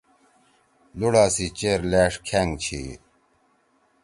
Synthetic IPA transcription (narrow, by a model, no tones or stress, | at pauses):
luɽaːsit͡ɕeɾleːʂkʰeŋɡt͡ɕʰḭ